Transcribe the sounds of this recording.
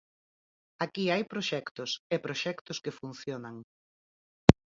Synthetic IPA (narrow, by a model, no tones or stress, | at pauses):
akiajpɾoʃɛkt̪ʊsepɾoʃɛkt̪ʊskefun̟θjonaŋ